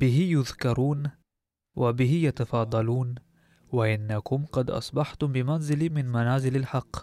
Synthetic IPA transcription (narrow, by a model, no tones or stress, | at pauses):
bɪɦɪjʊðkɑɾˤuːn | wʔabɪɦɪjat̪ɑfɑːd̪ˤɑluːn | waʔɪnːakʊmqɑd̪ʔɑ̰sˤbɑħt̪ʊmbɪmanzɪlmɪnmanaːzɪlalħɑqː